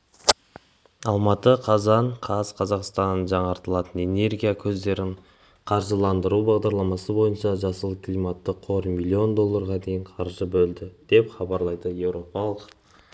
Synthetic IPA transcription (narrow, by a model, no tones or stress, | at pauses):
ɑlˠmɑt̪əqʰɑzɑɴqʰɑzqʰɑzɑqst̪ɑnːənʒɑɴɑɾt̪əlˠɑt̪əne̞ne̞ɾɡʲijakʲʰɵzd̪e̞ɾɪɴ | qʰɑɾʒəlˠɑnd̪əɾubɑʁd̪ɑɾlˠɑmɑsəbo̞jənʃɑʒɑsəlˠəkʰlˠijmɑt̪ːəqʰo̞ɾmilʲːio̞nd̪o̞lˠːɑɾʁɑd̪e̞jɪɴqʰɑɾʒəbɵld̪ɪd̪̥e̞pχɑbɑɾlˠɑjd̪əje̞wɾo̞pɑlˠəq